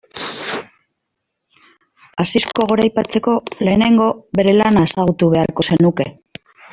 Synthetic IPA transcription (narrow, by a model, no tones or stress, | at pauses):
asisko̞ɣ̞o̞ɾajpat͡se̞ko̞le̞ːne̞ŋɡo̞βe̞ɾe̞lanaesaɣut̪uβe̞a̰rko̞se̞nuke̞